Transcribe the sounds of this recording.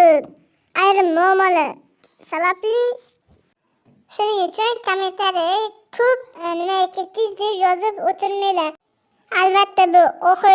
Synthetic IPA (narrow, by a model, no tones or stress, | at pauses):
ajɾɪmːʊɒmːɒla | sabablɪ | ʃʊnɪŋʊt͡ʃʰʊnkʰoment̪ʰaɾijakʰɵp̚nɪmaekʲʰet̪̚kʲɪzd̪epjɒzɪpot̪ʰɪɾmajlaɾ | albat̪ːabʊɒχɨ